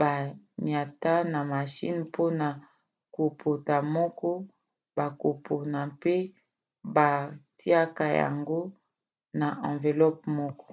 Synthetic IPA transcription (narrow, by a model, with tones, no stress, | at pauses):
ba˨ɲja˨ta˦na˨ma˨ʃḭ˦npʰo˦na˨ | ko˨pʰo˨ta˨mɔ˦kɔ˦ | ba˨ko˨po˨na˨pe˦ | ba˨ti˦a˦ka˦ja̰˨ŋɡo˦ | na˨ʔã˨ve˨lɔ˦p̚mɔ˦kɔ̥˦